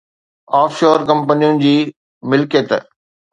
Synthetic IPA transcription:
aːfʃoːɾkɐ̃mpənijʊnɪ̆d͡ʑiː | mɪlkət̪

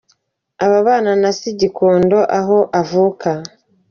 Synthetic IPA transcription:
aβaβaːnanasiɟiko̞ːndo̞ʔaɦo̞ʔavuka

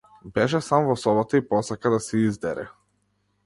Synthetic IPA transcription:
bɛʃɛsamvɔsɔbat̪aipɔsakad̪asɛizd̪ɛɾɛ̰

